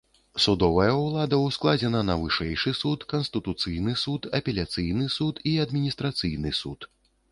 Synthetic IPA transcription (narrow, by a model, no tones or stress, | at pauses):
sud̪ɔvɐjɐwlˠad̪ɐwsklˠad͡zʲɛnɐnɐvɨʂɛjʂɨsut̪kɐnst̪ɨt̪ut̪sɨjnɨsut̪ɐpʲɛlʲat̪sɨjnɨsut̪iɐd̪mʲinʲist̪ɾat̪sɨjnɨsut̪